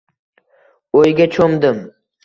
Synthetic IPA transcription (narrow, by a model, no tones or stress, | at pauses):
ojɡʲat͡ʃʰomd̪ɪm